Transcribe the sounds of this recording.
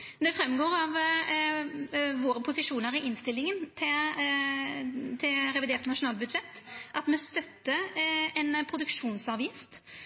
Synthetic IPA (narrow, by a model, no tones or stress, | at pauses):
d̪ɛfɾɛmːɡoːɾɑʋ | ʋoːɾəpʰʊsɪʂuːnəʁɪʔɪnst̪ɪlːɪŋənt̪ʰɪ | t̪ʰɪlɾɛʋɪd̪eːɾt̪nɑʂʊnɑːlbʉd̪ʂɛt̪ːʔɑt̪mɛst̪œt̪ːəɛnpʰɾʊd̪ʉkʂuːnsɑːʋjɪft̪